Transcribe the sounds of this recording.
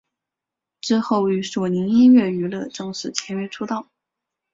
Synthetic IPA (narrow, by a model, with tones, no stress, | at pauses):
ʈ͡ʂɻ̩˥xo˥˩ʊy˧˥swɔ˨˩ni˧˥ŋi˥nɥɛ˥˩y˧˥lɤ˥˧ʈ͡ʂɤ˥˧ŋʂɻ̩˥˩t͡ɕʰjɛ˧˥nɛ˧˥ʈ͡ʂʰu˥t̪ɑ˥˩ʊ